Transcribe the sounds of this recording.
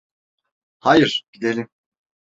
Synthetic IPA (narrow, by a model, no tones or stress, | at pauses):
hajiɾ̥ɟ̥id̪elʲim